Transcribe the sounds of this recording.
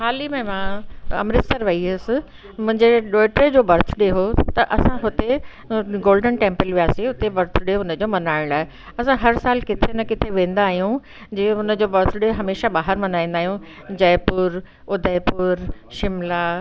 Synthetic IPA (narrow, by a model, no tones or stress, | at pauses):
xaːlimẽmãːɐ̰mɾɪsəɾʋɐiɦɪsɪ̆ | mʊ̃ɦɪ̃ɲd͡ʑeɗoːʈɾed͡ʑoːbɐɾt̪ʰʊɗeɦot̪ɐʔɐsãɦʊt̪e | ɡoːlɖənʈẽːmpəlʋijaːseʊt̪ebɐɾt̪ʰʊɖeɦʊnəd͡ʑoːmɐnaːɪ̃ɽ̃aːɦe | ɐsãɦɐɾsaːlkɪt̪ʰenɐkɪt̪ʰeʋẽːn̆d̪aːɦijũ | d͡ʑeːʊnəd͡ʑoːbɐɾt̪ʰʊɗeɦɐmeːʃaɓaːɦəɾmɐnaːĩːn̆d̪aːɦijũ | d͡ʑɐːpʊɾ | ʊd̪ʱaɪpʊɾʃɪmlaː